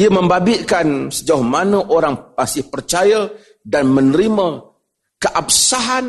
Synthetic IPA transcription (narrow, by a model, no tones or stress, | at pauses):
iəməmbabɪʔkansəd͡ʒauhmanəʔoɾaŋpasɪhpərt͡ʃaja | danmənəɾimə | kəʔap̚saɦan